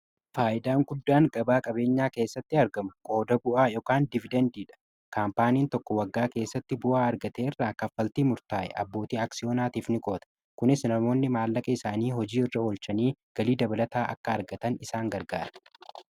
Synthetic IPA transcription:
faːʔɪd̪aːŋɡʊd̪ːaːŋkʼɐbaːkʼɐbe̞ːɲːaːke̞ːsːɐt̪ːɪɐɾɡɐmʊkʼo̞ːd̪ɐbʊʔaːjɔkaːnd̪ɪvɪd̪ɐnd̪iːᶑɐ̥ | kaːmpaːniːnt̪ɔkːɔwɐɡːaːke̞ːsːɐt̪ːɪbʊʔaːɐɾɡɐt̪eːɪrːaːkɐfːɐlt̪iːmʊɾt̪aːʔɛ̰ʔɐ̰bːo̞ːt̪iːaksɪjo̞ːnaːt̪iːfnɪkʼo̞ːt̪ɐ̥ | kʊnɪsnɐmo̞ːnːɪmaːlːɐkʼɐɪsaːniːɦɔd͡ʒiːɪrːɐoːlt͡ʃɐniːɡ̥ɐliːd̪ɐbɐlɐt̪aːʔɐ̰kːɐːɾɡɐt̪ɐnɪsaːŋɡɐɾɡa̰ːɾɐ̥

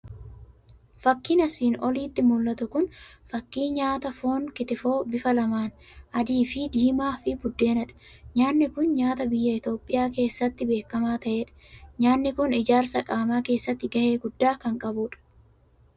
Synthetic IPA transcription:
fɐkːɪnɐsiːnɔliːt̪ːɪmʊlːɐt̪ʊkʊnfɐkːiːɲaːt̪ɐfo̞ːŋkɪt̪ɪfo̞ːbɪfɐlɐmaːn | ʔɐd̪iːfɪd̪iːmaːfɪbʊd̪ːe̞ːnɐᶑɐ̥ | ɲaːnːɪkʊnɲaːt̪ɐbɪjːɐɪt̪o̞ːpʼːɪjaːke̞ːsːɐt̪ːɪbe̞ːkːɐmaːt̪ɐʔe̞ːᶑɐ̥ɲaːnːɪkʊnɪd͡ʒaːɾsɐkʼaːmaːke̞ːsːɐt̪ːɪɡɐhe̞ːɡʊd̪ːaːkɐŋkʼɐbuːᶑɐ̥

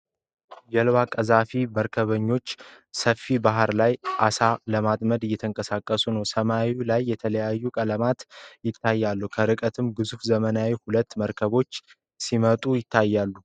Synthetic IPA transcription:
jɛlwakʼəzafiməɾkʰəβəɲːo̞t͡ʃː | səfːibaɦɾlajʔasaləmat̪ʼməd̪ɨjːɛt̪ʰəŋkʼəsakʼːəsunəwsəmawilajːɛt̪ʰələjajːukʼələmat̪jɪt̪ʰːajːalːukʰəɾɨkʼət̪ʰɨmɡɨzufzəmənawihulət̪ːməɾkʰəβo̞t͡ʃː | simət̪ʼujɪt̪ʰːajːalːu

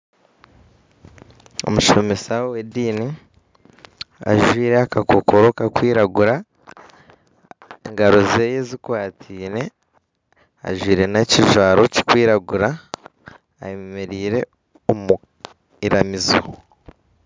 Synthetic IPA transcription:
o̞̰muʃo̞mesawowediːni | a̰ʒwiːɾeakakokoɾo̞kakwiːɾaɡuɾa | eŋɡaɾo̞ze̞ːjezikwaːtʰiːɾe̞ | a̰ʒwiːɾe̞neciʒwaːɾo̞ci̥kwiːɾaɡuɾa̰ː | jemeɾiːɾe̞ | omu | iɾamizo̰

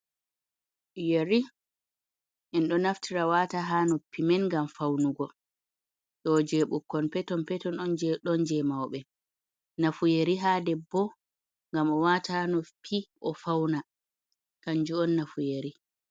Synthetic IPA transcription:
jeɾi | ʔɛnɗɔnaftʰiɾawataɦanɔpʰːimɛnŋɡamfawnuɡɔ | ɗɔd͡ʒɛɓukːɔnpɛtɔnpɛtɔnɔnd͡ʒɛɗɔnd͡ʒɛmawɓɛ | nafujeɾiɦaːdɛbɔ | ŋɡamɔwatahanɔpʰːiʔɔfawna | kaɲd͡ʒuɔnːafujeɾi

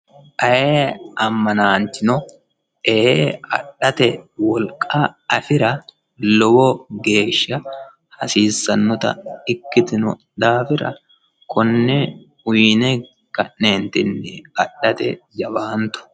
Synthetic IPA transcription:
ʔɐʔeːɐmːɐnaːnt͡ʃɪnɔ | ɛeɐ̰ᶑːɐt̪ɛwɔlkʼːaɐfɪɾɐ | lɔbɔɡe̞ːʃːɐ | hɐsiːsːɐnːɔt̪ɐ̰ɪkːɪt̪ɪnʊ̰ | d̪aːfɪɾɐ̰ | kʰɔnːɛ | ʊjnɛ | kɐʔːeːnt̪ɪnːɪɐᶑɐt̪ɛ̰d͡ʒɐbaːnt̪ʊ̥

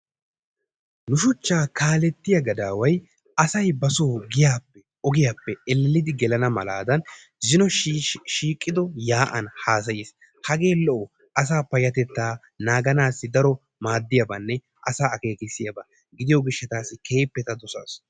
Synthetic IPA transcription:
nʊʃʊt͡ʃːaːkaːlɛt̪ːɪjɐɡɐd̪aːwɐj | ɐsɐjbɐso̞ːɡɪjaːpːɛ | ɔɡɪjaːpːɛɛlːɛlːɪd̪ɪɡɛlɐnɐmɐla̰ːd̪ɐn | zɪnɔʃiːkʼːɪd̪ɔjaːʔɐnhaːs̬ɐjis | hɐɡe̞ːlɔʔɔ | ɐsaːpɐjɐt̪ɛt̪ːaː | naːɡɐnaːsːɪd̪ɐɾɔ | maːd̪ːɪjɐbɐnːɛ | ʔɐsaːɐke̞ːkɪsːɪjɐba | ɡɪd̪ɪjɔɡɪʃːɛt̪aːsːɪkʰe̞ːpːɛt̪ɐd̪ɔsa̰ːs

